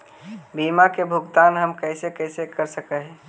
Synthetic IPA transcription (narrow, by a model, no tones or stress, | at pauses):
bimakebʱuɡt̪anɦəmkəɪsekəsekəɾsəkəɦɛ